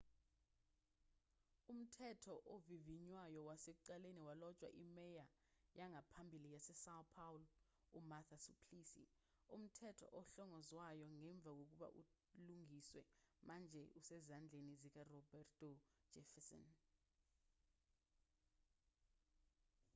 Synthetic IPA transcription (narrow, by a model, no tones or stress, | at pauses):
um̩tʰɛtʰɔʔoviviɲwajɔwasɛǃaleniwalɔt͡ʃʼwa̰ʔimɛja | jaŋʱapʰambʱilijasɛsawpʰawl | umat̪ʰasupʰlisḭ | um̩tʰɛtʰɔ̰ʔɔɬɔŋɔzwajɔŋɛɱb̪vʱak̬ok̬uɓa̰ʔṵ | luŋiswɛmand͡ʒʱɛusɛzand͡ɮʱenizik̬arɔbɛrtʼɔ̥d͡ʒ̥ʱɛfɛsɔ̰n